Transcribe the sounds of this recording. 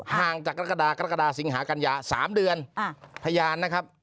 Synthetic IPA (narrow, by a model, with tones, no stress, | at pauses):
haː˨˩ŋt͡ɕaː˨˩k̚ːɾka˧daː˧ka˧ɾa˦˥ka˧aː˧si˨˩˦ŋɦaː˩˦˥ka˧njaː˧sa̰ː˩˦mdɯ˧ən˧pʰa˧jaː˧nːa˦˥kʰa˦˥p̚